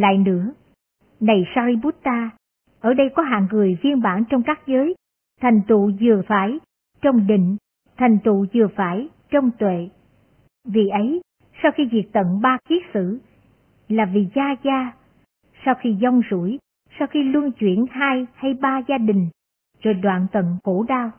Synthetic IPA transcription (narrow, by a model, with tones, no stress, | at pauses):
la̰ː˧˨jnɨ̰˧˥ə | na˨˩jsaː˧ɾi˧ɓu˦˥t̚t̪aː˧ | ʔəː˧˩ɗə˧jkɔ˨˦ɦa̰ː˧˨ŋŋɨ˨˩əjvi˧ənɓaː˧˩nt͡ɕɔ˧wŋ͡mkaː˦˥k̚zəː˨˦j | t̪ʰa˨˩jŋ̟t̪ṵ˧˨zɨ˨˩əfaː˧˩j | t͡ɕɔ˧wŋ͡mɗḭ̈˧˨ŋ̟ | t̪ʰjŋ̟t̪ṵ˧˨zɨ˨˩əfaː˧˩j | t͡ɕɔ˧wŋ͡mt̪wḛ˧˨ | vḭ˨˩ʔə˨˦j | saː˧wxi˧vi˨˩ək̚t̪ə̰˧˨nɓaː˧ki˦˥ək̚sɨ̰˧˥ | laː˨˩vi˨˩zaː˧zaː˧ | sa˧wxi˧zɔ˧wŋ͡mzu˧˩j | saː˧wxi˧lu˧ənt͡ɕwḭ˧˩ənhaː˧jha˧jɓaː˧zaː˧ɗï˨˩ŋ̟ | zo˨˩jɗwa̰ː˧˨nt̪ə̰˧˨nko̰˧˥ɗaː˧w